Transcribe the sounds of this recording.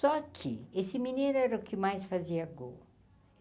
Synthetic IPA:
sɔkʰiesimineɾɛɾokʰimajsfaziɐɡo̰

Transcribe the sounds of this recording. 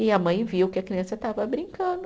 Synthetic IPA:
ɪɐmɐ̃j̃viwkɪɐkɾiɐ̃sɐt̪avɐbɾĩkɐ̃d̪ʊ

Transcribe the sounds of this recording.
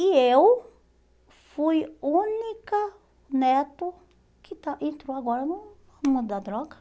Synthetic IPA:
iew | fujũnikɐ | nɛt̪ʊ | kɪt̪aẽnt̪ɾowaɡɔɾɐnu | ɐmud̪ɐd̪ɾɔɡɐ

